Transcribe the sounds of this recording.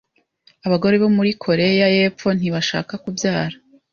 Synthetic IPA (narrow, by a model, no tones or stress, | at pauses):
aβaɡo̞ɾe̞βo̞muɾikʰo̞ɾe̞jaje̞ːp͡fo̞n̥iβaʃa̰ːkakuvjaːɾa